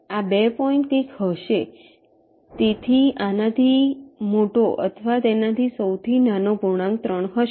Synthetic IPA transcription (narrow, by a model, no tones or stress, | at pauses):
abɛpɔĩɳʈkekɦəʃe | t̪et̪ʰianad̪ʱimoʈoʔə̰t̪ʰəʋat̪enat̪ʰisəwt̪ʰinanobʱuɽ̃ãŋɡt̪ɾəɳ̃ɦəʃ